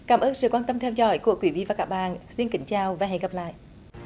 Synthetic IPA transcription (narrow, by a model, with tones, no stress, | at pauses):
kaː˧˩mʔəː˧nsɨ̰˧˨kwaː˧nt̪ə˧mt̪ʰɛ˧wzɔ̰˧˦jku˧˩əkwi˧˩˦vḭ˧˨vaː˨˩kaː˦˥k̚ɓa̰ː˧˨nsi˧nkï˨˦ŋ̟t͡ɕaː˨˧˩wvaː˨˩ɦɛ̰˧˨ŋɣə˨˩p̚la̰ː˧˨jʔ